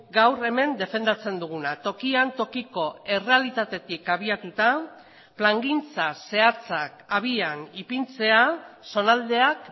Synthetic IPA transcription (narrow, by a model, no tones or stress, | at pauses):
ɡawɾe̞me̞nd̪e̞fe̞nd̪at͡se̞nd̪uɣ̞unat̪o̞kiant̪o̞kiko̞e̞re̞alit̪at̪e̞t̪ikaβ̞iat̪ut̪a | plaŋɡint͡sase̞at͡sakaβianipint͡se̞aso̞nald̪e̞ak